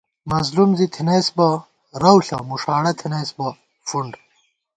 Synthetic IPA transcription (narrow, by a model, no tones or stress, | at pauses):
mɐzlumzit̪ʰinɐjsbɐ | ɾɐwɬɐ̰muʂaːɽɐt̪ʰinɐjsbɐ | fuɳɖ